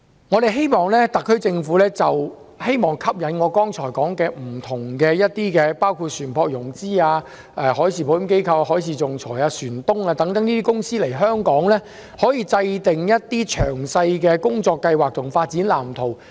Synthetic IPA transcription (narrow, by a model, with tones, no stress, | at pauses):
ŋɔː˨˧ɾe˨jɦe˥jmɔː˨˩ŋlɛː˥t̪ɐ˨kʰːɵ˥ɥt͡sɪ˧ŋfuː˨˥lɛː˥t͡sɐ˨w | he˥jmɔː˨˩ŋkʰɐ˥p̚jɐ˨˥nŋɔː˨˧kɔː˥ŋt͡ʃʰɔː˨˩jkɔː˨˥ŋkɛː˧m̩˨˩t̪ʰʊ˨˩ŋkɛː˧jɐ˥t̚t̪iː˥kɛː˧paː˥wkʰuː˧t̚syː˨˩npʰɔː˧k̚jʊ˨˩ŋt͡siː˥aː˧ | ʔɛː˧hɔː˨˥jsʰiː˨˩pʰo˨˧jke˥jkʰɐ˧wa˧hɦɔː˨˥jt͡sʰiː˨˧t͡sʊ˨ŋt͡sʰɔː˨˩jaː˧syː˨˩nt̪ʊ˥ŋaː˧t̪ɐ˨˥ŋt̪ɐ˨˥ŋniː˥t̪iː˥kʊ˥ŋsiː˥le˨˩jɦœː˥ŋkɔː˨˥ŋlɛː˥ | hɔː˨˥jiː˨˧t͡sɐ˧jt̪ɪ˨ŋjɐ˥t̚t̪iː˥t͡ʃʰœː˨˩ŋsɐ˧jkɛː˧kʊ˥ŋt͡ʃɔː˧kːɐ˧jwaː˨˩k̚t̪ʰʊ˨˩ŋfaː˧t̚t͡siː˨˥nlaː˨˩mt̪ʰo˨˩w